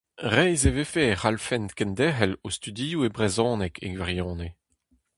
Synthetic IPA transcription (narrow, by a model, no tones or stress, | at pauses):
ʁɛjzevefeʁalfɛntkɛnd̪ɛɦɛlost̪yd̪ijuebʁezɔ̃ːnɛkʰḛɡviʁijɔ̃ːne